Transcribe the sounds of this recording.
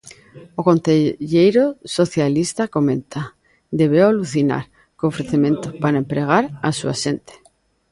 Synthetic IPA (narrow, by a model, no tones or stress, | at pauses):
okonθeʎejɾosoθjalist̪akomẽnt̪a | d̪eβewaluθina̰ɾ | koofɾeθemẽnt̪opaɾaempɾeɣ̞aɾasua̰ʃent̪e̥